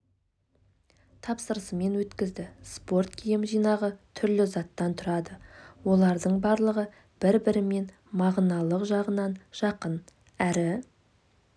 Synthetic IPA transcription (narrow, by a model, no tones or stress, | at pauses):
t̪ʰɑpsəɾəsəme̞nwɵt̪kʲɪzd̪ɪspo̞rt̪̚kʲʰijɪmʒijnɑʁət̪ʰʏɾlɪzɑt̪ːɑnt̪ʰʊɾɑd̪əwo̞lˠɑɾd̪əɴbɑɾlˠəʁə | b̥ɪɾbɪɾɪme̞n | mɑʁnɑlˠəqʒɑʁənɑnʒ̥ɑqən | æɾɪ